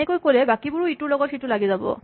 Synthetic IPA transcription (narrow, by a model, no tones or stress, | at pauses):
ɛkojkolɛbakibʊɹʊitʊɹlɔɡɔtxitʊlaɡizabɔ̰